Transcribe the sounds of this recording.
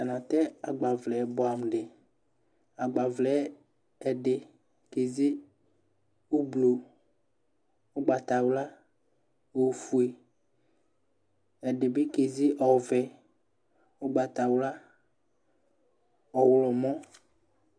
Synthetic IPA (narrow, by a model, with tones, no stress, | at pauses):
a˨nã˨t̪ɛ˦a˨ɡ͡ba˨vlɛ˨bɔ˨a˨m˨ɖɪ˨ | a˨ɡ͡ba˨vlɛ˨˦ | ɛ˨ɖɪ˨ | ke˨zi˦ | o˦blo˨ | o˦ɡ͡ba˨t̪a˨wla˦ | o˨fu˨e˨ | ɛ˨ɖɪ˨bɪ˦ke˨zi˦ʔɔ˨vɛ˨ | o˦ɡ͡ba˨t̪a˨wla˦ | ɔ˨wlɔ˨mɔ̃˦